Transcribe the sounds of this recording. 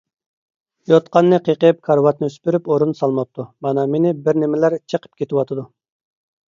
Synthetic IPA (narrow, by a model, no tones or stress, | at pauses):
jot̪̚qʰɑnːɨqʰeqəp̚kʰɑɾwɑt̪̚nɨøspyɾypoɾunsɑlˠmɑp̚t̪ʰumɑnɑmenɪbɪɾnɪmɪlæɾt͡ʃʰəqʰə̥p̚kʲet̪ɪwɑt̪ʰɨd̪u